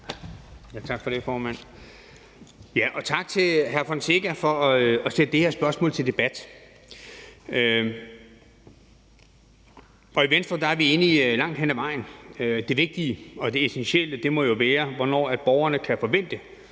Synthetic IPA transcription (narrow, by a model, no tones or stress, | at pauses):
jæt͡sʰɑ̈ɡ̥fɒɾ̥efɒːmæn̰ | jæʔɒ̽t͡sʰɑ̈ɡ̥̚t͡sʰe̝lɦæɐfɒnseɡ̥æfɒ̽ɒɒsed̥əd̥e̝heɐsb̥ɶɐsmɔ̰lt͡sʰeld̥e̝b̥æd̥ | ø | ɒ̽iʋensd̥ʁɐd̥ɑæɐʋie̝nilɑ̈ŋ̰d̥ɦen̰æʋɑ̈ɪ̰n̩ød̥e̝ʋe̝ɡ̥̚d̥iəɒ̽d̥e̝esenɕel̰əd̥e̝mɒ̽jo̝ʋɛːɐʋɒnɒ̰ːæd̥̚b̥ɒʊɐnəkʰæfɒ̽ʋen̰d̥ə